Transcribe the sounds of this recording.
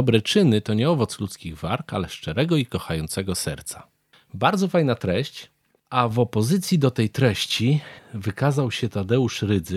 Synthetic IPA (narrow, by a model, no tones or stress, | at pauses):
ɔbɾɛt͡ʂɘnɘt̪ɔɲɛɔvɔt̪slut̪skʲiɣvaɾka̰lɛʂt͡ʂɛɾɛɡɔikɔxajɔnt̪sɛɡɔsɛɾt̪sḁ | baɾd̪zɔfajnat̪ɾɛɕt͡ɕ | ʔavɔpɔzɘt̪sʲjid̪ɔt̪ɛjt̪ɾɛɕt͡ɕivɘkazawɕɛt̪ad̪ɛuʂɾɘd̪zɘ